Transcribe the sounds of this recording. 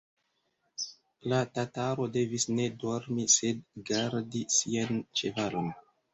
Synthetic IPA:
latataɾo̞de̞visne̞do̞ɾmise̞d̚ɡaɾdisiant͡ʃe̞valo̞n

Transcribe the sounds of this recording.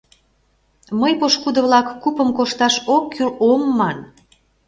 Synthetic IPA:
məjpoʃkud̪ɤ̆βlɑkːupə̆mkoʃt̪ɑʃokːylomːɑn

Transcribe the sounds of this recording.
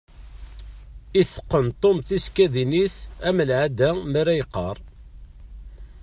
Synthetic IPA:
iθə̥qːənt̪ˤːomθiskæðinisæməlʕad̪æmæɾæjqːɑɾˤ

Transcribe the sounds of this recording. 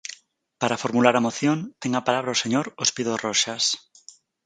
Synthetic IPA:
paɾafoɾmulaɾamoθjont̪eŋapalaβɾaoseɲoɾospiðoroʃas

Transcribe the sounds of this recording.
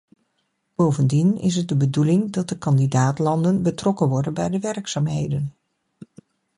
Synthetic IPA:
b̥owvəndinɪ̰s̬ɦət̚dəbədulɪŋdɑt̚dəkɑndidaːtlɑndənbətrɔkənʋɔɹdənbɛjdəʋɛrksaːmɦejdən

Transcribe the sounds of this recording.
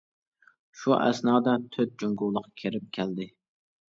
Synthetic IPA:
ʃuʔɛ̰snɑːd̪ɑt̪ʰøt̪̚d͡ʒuŋɡuwlˠəqkʲʰeɾɪp̚kʲʰæld̪ɪ

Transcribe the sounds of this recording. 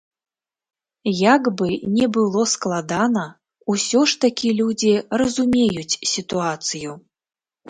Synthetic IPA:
jaɡbɨnʲɛbɨlˠɔsklˠad̪anɐ | usʲɔʂt̪akʲilʲud͡zʲirɐzumʲejut͡sʲsʲit̪uat̪sɨju

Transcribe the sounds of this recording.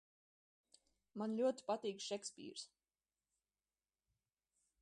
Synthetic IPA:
manlʲuɔt̪i̥pat̪iːkʃɛkspḭːɾs

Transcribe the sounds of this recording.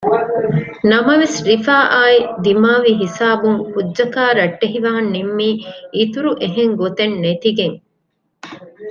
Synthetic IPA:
nɐmɐʋesɾifaːʔaːid̪imaːʋiɦisaːbuŋhudːʒɐkaːɾɐʈːeɦiʋaːɐnːimːiːʔit̪uɾuʔeɦeŋɡot̪enːet̪iɡeŋ

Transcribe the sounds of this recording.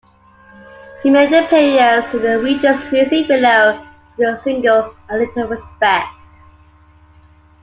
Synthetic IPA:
himeɪd̪ə̃pʰeɪəzəðəwid͡ʒəsɹislibɪloʊ | ðəsɪ̃ŋɡəlˠəlɪtʰəlˠɹɪspɛk̚t

